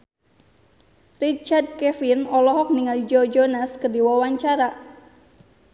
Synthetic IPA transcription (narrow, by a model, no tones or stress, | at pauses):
rit͡ʃard̚kɛfinɔlɔɦɔk̚niŋalid͡ʒɔd͡ʒɔnaskərdiwawaɲt͡ʃaɾa